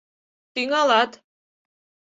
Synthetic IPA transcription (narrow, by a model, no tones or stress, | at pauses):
t̪iŋalat̪